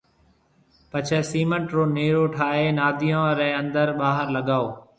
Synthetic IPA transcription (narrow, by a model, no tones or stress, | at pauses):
pət͡ʃʰɛːsiːməɳʈɾoːneːɾoːʈʰaːɦeːnaːd̪ʱijõːɾɛ̃ːə̃nd̪əɾɓaːɦəɾləɠaːoː